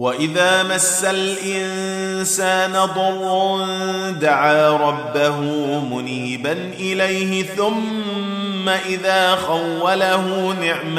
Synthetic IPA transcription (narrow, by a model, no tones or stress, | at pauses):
waʔɪðaːmasːalʔɪn | saːnad̪ˤɑwːʊn | d̪aʕaːɾˤɑbːaɦʊmʊniːbanʔɪlajɦɪθʊmː | aʔɪðaːxawːalaɦuːnɪʕma